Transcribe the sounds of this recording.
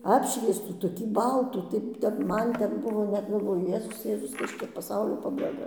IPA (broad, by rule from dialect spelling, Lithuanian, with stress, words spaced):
ˈɑːpʲʃʲʋʲiɛstuː toːˈkʲiː ˈbɐlˠtuː tɐɪ ˈtʲɛn ˈmɐn ˈtʲɛn ˈbʊʋoː nʲɛt ɡɐlˠˈʋoːjʊ ˈjeːzʊs ˈjeːzʊs ˈkɐs t͡ʃʲɛ pɐˈsɐʊlʲoː pɐbɐɪˈɡɐ